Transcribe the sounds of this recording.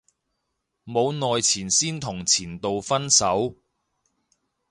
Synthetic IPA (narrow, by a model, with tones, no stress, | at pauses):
mo˨˧wnɔː˨jt͡sʰiː˨˩nsiː˥nt̪ʰʊ˨˩ŋt͡sʰiː˨˩nt̪o˨wfɐ˥nsɐ˨˥w